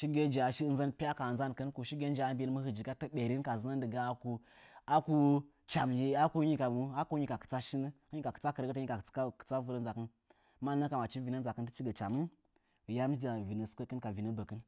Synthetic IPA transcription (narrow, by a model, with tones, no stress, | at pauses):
ʃi˦ɡe˦d͡ʒa˨ʃi˦nza˦npi˦a˦ka˨za˦n˨kə˦nku˨ʃi˦ɡʲe˦n˦d͡ʒa˨a˦mbʲe˦lmə˦hɨ˨d͡ʒi˨ɡa˦tə˦ɓe˨ɾi˦n˦ka˨zɨ˦na˦ndɨ˨ɡa˦a˦ku˨ | a˦ku˦ | t͡ʃa˨md͡ʒe˦a˦ku˦ɲi˦ka˨˦a˦ku˦ɲi˦ka˨kɨ̥˨t͡sa˦ʃi˦nə˦hɲi˦ka˨kɨ̥˨t͡sa˦kə˨ɾɡə˦tə˦ɲi˦ḁ˨˦kə̥˨t͡sa˦vu˦ɾə˦n˦za˨kɨ˦n˦ | ma˦nə˦ka˨ma˨t͡ʃi˦vi˨nə˦n˦za˨kə˦ntə˦t͡ʃi˦ɡə˨t͡ʃa˨mɨ˦n | ɨ˨ja˦m˦d͡ʒa˨vi˨nə˨skə˦kə˦nka˨vi˨nə˦bə˨kɨ˦n